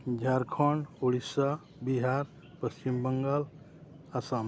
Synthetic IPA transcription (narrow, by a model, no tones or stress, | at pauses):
d͡ʒʱaɾkʰɔɳɖuɽisa | biɦaɾ | pəst͡ʃimbəŋɡal | asam